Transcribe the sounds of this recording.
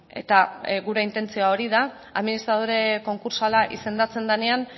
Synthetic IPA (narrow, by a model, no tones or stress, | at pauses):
e̞̰t̪aɣuɾe̞int̪e̞nt͡sioaoɾiða | a̰ðminist̪ɾað̞oɾe̞ko̞ŋkuɾsalaʔise̞nd̪at͡se̞nd̪ane̞an